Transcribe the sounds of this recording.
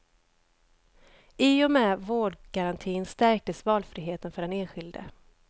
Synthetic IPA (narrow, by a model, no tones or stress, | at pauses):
ɪɔmɛːvoːɖɡaɾant̪ʰiːnst̪æɾk̚t̪əsvɑːlfɾiɦeːt̪ənfœɖɛneːnɧɪld̪ə̰